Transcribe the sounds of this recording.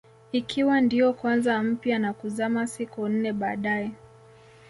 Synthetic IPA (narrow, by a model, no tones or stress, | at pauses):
ikʰiwandiɔkwanzam̩pjanakuzamasikun̩nɛɓaːɗaɛ